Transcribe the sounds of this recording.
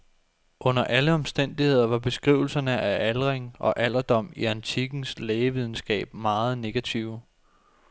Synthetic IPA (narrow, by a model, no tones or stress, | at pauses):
ʔɔ̽n̰ɐʔæləɒ̽msd̥en̰d̥ihe̝ð̞̰ˠɐʋɑ̈b̥e̝sɡ̥ʁiʊl̩sɐnəʔæʔælʁeŋʔɒ̽ʔæl̰ɐd̥ɒ̽m̰iænt͡sʰiɡ̥n̩sleːəʋið̞ˠn̩sɡ̥ɛ̰ːb̥̚mɑ̈ːð̞̩ˠne̝ɡ̥æt͡sʰiʊ̰